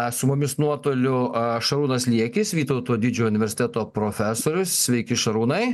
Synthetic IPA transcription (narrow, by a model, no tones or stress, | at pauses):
sʊmʊmʲɪsnuɔt̪oːlʲʊʃɐɾuːnɐslʲiɛkʲɪsʋʲiːt̪ɐʊt̪oːd̪ʲɪd͡ʒʲoːʊnʲɪʋʲɛɾʲsʲɪt̪ʲæt̪oːpɾoːfʲæsoːɾʲʊssʲʋʲɛɪkʲɪʃɐɾuːnɐɪ